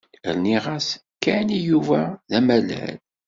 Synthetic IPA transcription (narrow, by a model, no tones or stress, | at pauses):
ə̰ɾniʁas | kænijuvæðæmælæ̰l